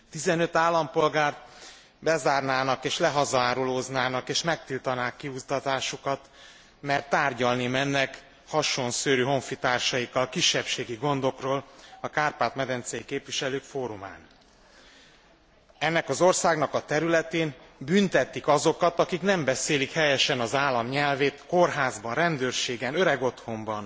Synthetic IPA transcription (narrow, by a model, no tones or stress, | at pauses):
t̪izɛnø̞t̪aːlːɒmpo̞lɡaːrt̪̚ | bɛzaːrnaːnɒkeːʃlɛɦɒzɒaːɾuloːznaːnɒkeːʃmɛk̚t̪ilt̪ɒnaːkːiust̪ɒt̪aːʃukɒt̪ | mɛrt̪ːaːrɟɒlnimɛnːɛk | hɒʃonsøːɾyːɦo̞ɱfit̪aːrʃɒjikːɒlkiʃːɛpʃeːɡiɡo̞nd̪o̞kroːlɒkaːrpaːt̪mɛd̪ɛnt̪sɛjikeːpʋiʃɛløːkfoːɾuma̰ːn | ɛnːɛkɒzo̞rsaːɡnɒkɒt̪ɛɾylɛt̪eːnbynt̪ɛt̪ːikɒzo̞kɒt̪ɒkiknɛmbɛseːlikhɛjɛʃɛnɒzaːlːɒmɲɛlveːt̪ko̞rɦaːzbɒnrɛnd̪øːrʃeːɡɛnøɾɛɡo̞t̪ho̞mbɒn